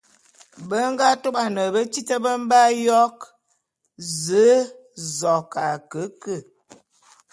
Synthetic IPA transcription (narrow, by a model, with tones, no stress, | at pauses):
bə˦ŋɡa˦to˦ɓa˨nə˨bə˦t͡ʃi˦tə˦bə˦m˦ba˦jɔ˦k | zə˨˦ | zɔ˨kʰa˨kə˨˦kə˦˨